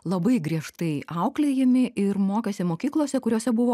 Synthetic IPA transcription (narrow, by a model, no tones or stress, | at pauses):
lˠɐbɐɪɡɾʲiɛʃt̪ɐɪɐʊklʲejɪmʲɪʔɪɾmoːkʲɛːsʲɪmoːkʲiːklˠoːsʲɛkʊɾʲoːsʲɛbʊʋoː